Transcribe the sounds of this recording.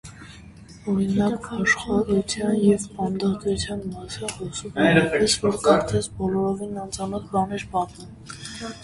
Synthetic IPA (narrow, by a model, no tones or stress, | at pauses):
ɔɾinɑkɑʃχɑɾut͡sʰjɑnjɛvpɑnd̪ɑt̪ut͡sʰjɑnmɑsinχɔsuvɛɾɑɛsvɔɾkɑɾt͡sɛsbɔlɔɾɔvinɑnt͡sɑnɔt͡s̪bɑnɛɾpɑt̪um